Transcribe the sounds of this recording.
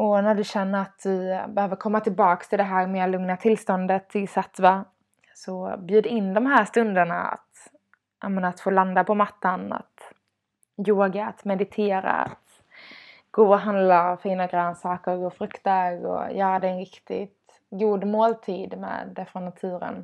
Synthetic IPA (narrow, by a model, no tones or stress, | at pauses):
ɔnæɖɵɕɛnːəɾat̪̚d̪ɵbɛhøːvəɾkʰɔmːat̪ʰɪlbɑːkst̪ʰɪld̪ɛɦæːɾmeːlɵŋnat̪ʰɪlst̪ɔnd̪ət̪ʰɪsat̪va | sɔbjʉ̟ːd̪aɪnːd̪ɔmɦæːʂt̪ɵnd̪əɳa̰a̰t̪ | ʔa̰mɛnat̪foːland̪apʰɔmat̪ːana̰t̪ | joːɡaa̰t̪mɛd̪ɪt̪ʰeːɾa̰a̰t̪ | ɡ̥oːɔɦand̪lafiːnaɡɾœːnsɑːkəɾɔɡoːfɾɵkt̪əɾɔ̰jœːɾad̪ɛɛnɾɪkt̪ɪ̰t̪ | ɡuːd̪moːlt̪ʰiːd̪mɛ̰ːd̪ɛfɾɔnːat̪ʰʉ̟ːɾə̰n